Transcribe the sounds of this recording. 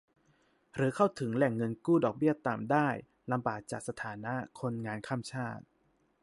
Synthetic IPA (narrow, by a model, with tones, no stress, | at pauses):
ɾɯː˩˦kʰa˥˩wt̪ʰɯ˩˦ŋlɛ˨˩ŋːɤ˧nkuː˥˩dɔː˨˩k̚bi˥˩ɐt̪aː˨˩mdaː˥˩j | la˧mba̰ː˨˩k̚t͡ɕa̰ː˨˩k̚sa˧t̪ʰaː˩˦na˦˥kʰo˧nŋaː˧nkʰaː˥˩mt͡ɕʰaː˥˩t̪̚